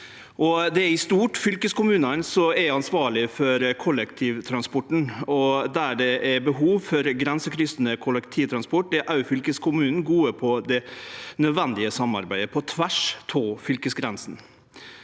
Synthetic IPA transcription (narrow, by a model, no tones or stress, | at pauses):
ʔɔd̪ɛæɾɪst̪uːʈfʏlkəskʊmʉːnɑnsɔɛɾɑnsʋɑːɭɪfɔɾkʰɔlːɛkt̪ʰiːʋt̪ʰɾɑnspɔʈːɳ̩ɔd̪æɖɛʔɛɾbəɦuːʋfɔɾɡɾɛnsəkʰɾʏst̪nəkʰʊlɛkt̪ʰiːt̪ʰɾɑnspɔʈːd̪ɛɾʔɑʉfʏlkəskʰʊmʉːnn̩ɡuːəpʰɔd̪ɛnœd̪ʋɛnd̪ɪəsɑmːɑ̰ɾbæɪd̪əpʰɔt̪ʰʋæʂt̪ʰoːfʏlkəsɡɾɛnsn